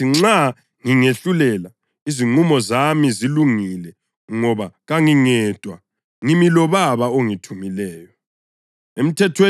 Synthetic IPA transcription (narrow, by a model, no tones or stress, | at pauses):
iŋ͡ǁa | ŋiŋeɬulɛla | iziŋ͡ǀumɔzamiziluŋilɛ | ŋɔβaɣaŋiŋɛtʼwa̰ | ŋimilɔβaβaoŋitʰumilɛːjɔ | em̩tʰɛtʰwe